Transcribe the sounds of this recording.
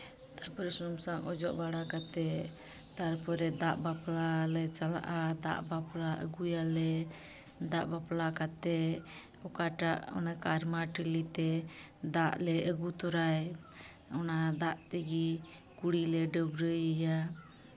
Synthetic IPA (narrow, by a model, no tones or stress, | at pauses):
t̪aɾpɔɾɛsɔmsaŋɔd͡ʒɔʔbaɽakat̪ɛ | t̪aɾpɔɾɛd̪aʔbaplalɛt͡ʃala̰ʔad̪a̰ʔbaplaʔə̰ɡujalɛ | d̪aʔbaplakat̪ɛ | ɔkaʈaʔɔ̰nakaɾmaʈəlit̪ɛ | d̪aʔlɛəɡut̪ɔɾaj | ɔnad̪aʔt̪ɛɡi | kuɽilɛɖəbɾəəja